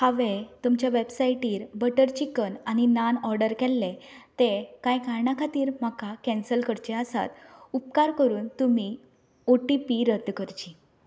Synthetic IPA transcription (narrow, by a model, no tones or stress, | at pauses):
haʋet̪umt͡ɕjaʋebsaiʈiːɾbəʈəɾt͡ɕikənañinanɔɾɖəɾkɛlːẽt̪ekajkaɾɳakʰat̪iːɾm̤akakɛnsəlkəɽt͡ɕeəsa̰t̪up̚kaɾkəɾuːnt̪umi | oʈipiɾəd̪kəɾt͡ɕi